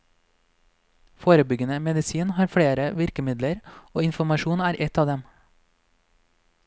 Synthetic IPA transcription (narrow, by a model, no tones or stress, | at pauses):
foːɾəbʏɡənəmɛd̪ɪsiːnhɑːɾfɽeːɾəʋɪɾkəmɪd̪ləɾoːɪnfɔmɑʃuːnæːɾʔɛt̪ɑːd̪ɛm